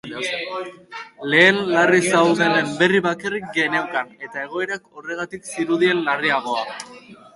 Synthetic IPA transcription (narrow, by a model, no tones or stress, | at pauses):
le̞ːnːarisawðenembe̞riβakarik̚ɡe̞newkane̞t̪ae̞ɣ̞o̞e̞ɾako̞re̞ɣ̞at̪iksiɾuðie̞nlariaɣ̞o̞a